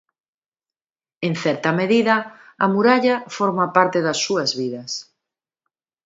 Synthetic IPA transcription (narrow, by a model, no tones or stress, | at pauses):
en̟θɛɾt̪ɐmeðiðɐɐmuɾaʎɐfɔɾmɐpaɾt̪eðɐsːuɐzβiðɐs